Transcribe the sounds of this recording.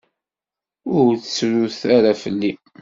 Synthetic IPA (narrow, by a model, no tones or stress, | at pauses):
ʊɾt͡sːɾuθaɾafəlːi